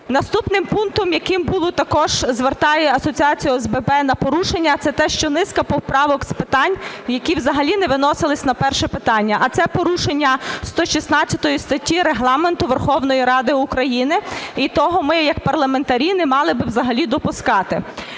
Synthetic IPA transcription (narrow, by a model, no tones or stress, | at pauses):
nɐst̪upnɪmpunt̪ɔmjɐkɪmbulˠɔt̪ɐkɔʒ̥zʋert̪ɑjɛɐsɔt͡sʲiɑt͡sʲijʊɛzbɛbɛnɐpɔɾuʃenʲːɐt̪sɛt̪ɛʃt͡ʃɔnɪskɐpɔwpɾɑʋɔkspɪt̪ɑnʲjɐkʲiwzɐɦɐlʲinɛʋɪnɔsɪlˠɪsʲnɐpɛrʃɛpɪt̪ɑnʲːɐʔɐt̪sɛpɔɾuʃenʲːɐst̪ɔʃʲisnɑt͡sʲːɐt̪ɔjist̪ɐtʲːiɾeɦlˠɑment̪ʊʋerxɔwnɔjiɾɑd̪ɪukɾɐjinɪit̪ɔɦɔmɪjɐkpɐrlˠɐment̪ɐɾʲinɪmɑlˠɪbɪwzɐɦɐlʲid̪ɔpʊskɑt̪ɪ